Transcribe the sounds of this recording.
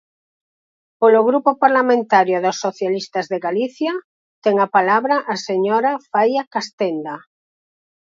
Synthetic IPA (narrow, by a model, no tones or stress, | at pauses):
poloɣɾupopaɾlamẽnt̪aɾjoðosːoθjalist̪azðeɣaliθja | t̪ɛŋapalaβɾaʔːseɲoɾafajakast̪end̪a